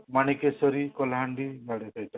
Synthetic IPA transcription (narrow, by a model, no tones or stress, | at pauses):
manikesɔɾikɔlɦaɳɖiɡaɽet̪ajt̪a